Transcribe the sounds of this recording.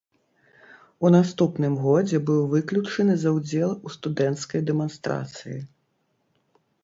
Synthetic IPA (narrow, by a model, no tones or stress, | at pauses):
unast̪upnɨmɣɔd͡zʲɛbɨwvɨklʲut͡ʂɐnɨzɐwd͡zʲɛlˠust̪ud̪ɛnt̪skɐjd̪ɛmanst̪ɾa̰t̪sɨji